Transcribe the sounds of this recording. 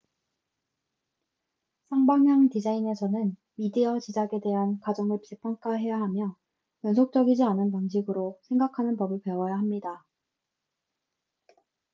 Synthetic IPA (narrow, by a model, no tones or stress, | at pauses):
sʰaŋbaŋjaŋtid͡ʑaine̞sʰʌnɯn | midiʌt͡ɕid͡ʑaɡe̞de̞ɦankad͡ʑʌŋɯɭppʰaŋk͈aɦe̞jaɦamjʌ | jʌnsʰok̚t͡ɕ͈ʌɡid͡ʑianɯnpaŋɕ̬ʰiɡɯɾosʰe̞ŋɡakʰanɯnpʌbɯɭpe̞wʌjaɦamɲida